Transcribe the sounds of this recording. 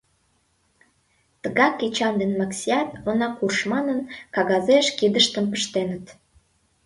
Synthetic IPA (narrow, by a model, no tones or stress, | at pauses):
t̪əɣɑkːet͡ɕɑnd̪enmɑksʲiɑt̪onɑkurʃmɑnənkɑɣɑzeʃkid̪əʃt̪əmpəʃt̪enə̆t̪